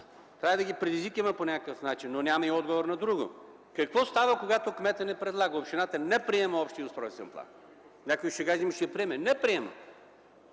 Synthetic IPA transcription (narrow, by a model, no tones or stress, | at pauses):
t̪ɾaɛd̪ɐɡʲipɾɛd̪izvikimɐponʲakəkəfnat͡ʃinːonʲamɐiɔd̪ɡovoɾnɐd̪ɾuɡo̰ | kɐkvɔst̪avəkoɡat̪okmɛt̪ənɛpɾɛd̪lˠaɡəopʃt̪inat̪ənɛpɾiɛməɔpʃt̪ijəost̪ɾɔjst̪ɛ̰nplˠa̰n | nʲakojiʃɛɡaʒɛmiʃɛpɾiɛmɛnɛpɾiɛmɐ̰